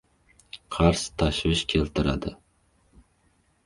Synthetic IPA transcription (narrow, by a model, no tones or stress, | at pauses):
qʰɑɾst̪ʰaʃvɪʃkʲʰe̞lt̪ʰɪɾa̰d̪ɪ